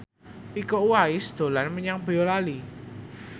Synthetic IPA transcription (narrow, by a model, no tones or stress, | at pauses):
ikouwaisd̪̥o̤lanməɲaŋbəjolali